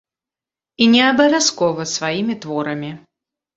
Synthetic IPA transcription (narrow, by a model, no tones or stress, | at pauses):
inʲɛɐbɐvʲaskɔvɐsvajimʲit̪vɔɾɐmʲi